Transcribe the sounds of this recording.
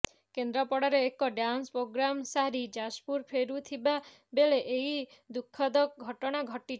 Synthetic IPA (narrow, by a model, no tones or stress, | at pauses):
kend̪ɾɔpɔɽaɾeːkɔɖanspɾoɡɾamsaɾid͡ʒaspuɾpʰeɾut̪ʰiba | beleʔeid̪ukʰːɔd̪ɔkɡʱɔʈɔɽ̃aɡʱɔʈi